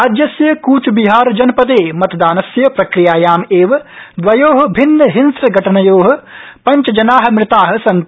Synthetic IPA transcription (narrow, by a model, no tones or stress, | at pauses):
aːd͡ʒjɐsjɐkuːt͡ʃbiɦaːɾd͡ʒɐnpɐd̪eːmɐt̪d̪aːnɐsjɐpɾɐkɾijaːjaːmeːʋd̪ʋɐjoːɦɐbʱɪnːəɦɪnsɐɡʱɐʈʰɐnɐjoːɦɐ̆pɐɲt͡ʃɐd͡ʒɐnaːɦɐ̆mɾɪt̪aːɦɐ̆sɐn